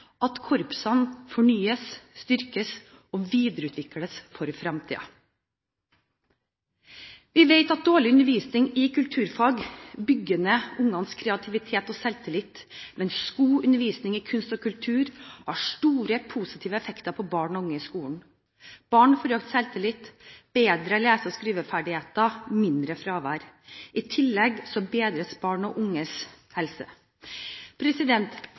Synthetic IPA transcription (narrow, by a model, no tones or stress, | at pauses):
ɑt̪kʰɔɾpsɑnfɔɳyːəsst̪ʏɾkəs | ɔʋiːd̪əɾəʉːt̪ʰʋɪkːləsfɔɾfɾɑmt̪ʰḭːɑ̰ | ʋɪʋeɪt̪ɑt̪̚d̪oːɭɪʉnəɾʋiːsnɪŋɪkʰʉlt̪ʰʉːɾfɑːɡbʏɡənəʊŋːɑnskʰɾɛɑt̪ʰɪʋɪt̪ʰeːt̪ɔsɛlt̪ʰɪlɪt̪mɛnsskuːʉnəɾʋiːsnɪŋɪkʰʉnst̪ɔkʰʉlt̪ʰʉːɾhɑʂʈuːɾəpʰusɪt̪ʰiːʋəɛfɛkt̪əɾpʰɔbɑːɳɔʊŋːəɪskuːn̩ | b̥ɑːɳfɔɾøːkt̪sɛlt̪ʰɪlɪt̪b̥eːd̪ɾəleːsəɔskɾiːʋəfæɖɪheːt̪ɑmɪnd̪ɾəfɾɑːʋæːɾɪt̪ʰɪlːɛɡsɔbeːd̪ɾəsbɑːɳɔʔʊŋːəs | hɛlsə̰ | pʰɾɛsɪd̪ɛnt̪